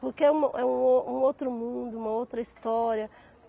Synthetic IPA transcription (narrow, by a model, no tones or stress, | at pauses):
poɾkeɛũmɐʔɛũoũowt̪ɾʊmũd̪ʊũmɐowt̪ɾɐist̪ɔɾiɐ